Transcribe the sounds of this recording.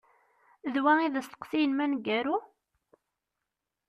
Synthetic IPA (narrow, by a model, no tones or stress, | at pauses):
ðwæiðæst̪ə̥qθijnmænɡæɾu